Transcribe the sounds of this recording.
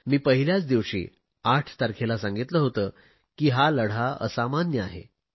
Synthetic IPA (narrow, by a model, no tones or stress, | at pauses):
miːpəɦiljat͡sd̪iʋɕḭː | aʈʰt̪aɾkʰelasãŋɡit̪ləːɦot̪əː | kiːɦaləɽ̤aə̰samanjəaɦḛ